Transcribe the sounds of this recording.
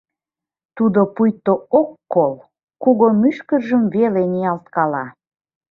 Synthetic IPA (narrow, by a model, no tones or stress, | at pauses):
t̪ud̪opujt̪ːookːol | kuɣomyʃkərʒəmveleniɑlt̪̚kɑlɑ